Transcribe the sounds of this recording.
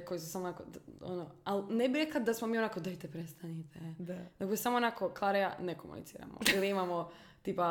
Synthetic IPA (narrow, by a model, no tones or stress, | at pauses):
ko̞jisusamoonakod̪o̰noalnebiɾeklad̪asmomiːo̞nakod̪ajt̪epɾest̪anit̪ʰenakosamoonakoklˠaɾejanekomṵnḭsḭːɾa̰mo̰iliimamo | t̪iːpa